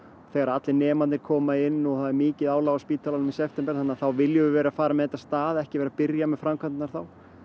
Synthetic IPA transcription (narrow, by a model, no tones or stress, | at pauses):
θeɣaɾat̪lɪnɛːmanɪɾ̥kʰɔːmaɪnːɔɣθaðɛɾmiːcɪðaːwlaɣaspiːt̪ʰalanʏmisɛft̪ɛmpɛɾ̥θanːaθawvɪljʏʏvɛːɾafaːɾamɛðɛt̪ːast̪aːðɛhcɪvɛːɾapɪɾjamɛðfɾamkʰvant̪ɪnaɾ̥θaw